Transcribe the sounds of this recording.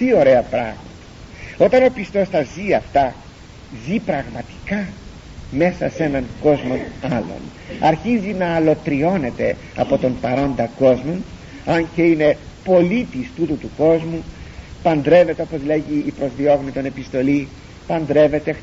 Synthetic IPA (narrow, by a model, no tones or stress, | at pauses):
t̪io̞ɾe̞ɐpɾɐ̰ɣmɐt̪ɐ̥o̞t̪ɐno̞pist̪o̞st̪ɐziɐft̪ɐ | zipɾɐɣmɐt̪i̥kɐ | me̞sɐse̞nɐŋko̞zmo̞nɐlo̞̰n | ɐɾçizinɐːlo̞t̪ɾio̞ne̞t̪e̞ | ɐ̰po̞t̪o̞mpɐɾo̞nd̪ɐko̞zmo̞n | ɐnceine̞po̞lit̪ist̪ut̪ut̪uko̞zmupɐnd̪ɾe̞ve̞t̪eo̞pozleʝiːpɾo̞zðio̞ɣnit̪o̞ne̞pist̪o̞li | pɐnd̪ɾe̞ve̞t̪e